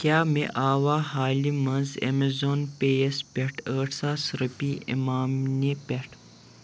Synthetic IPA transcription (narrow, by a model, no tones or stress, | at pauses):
kʲaːmeʔaːwaːhaːlimɐ̃nzḛmezoːnpeːjespʲeʈʰəːʈsasɾəpiḭmaːmnepʲeʈʰ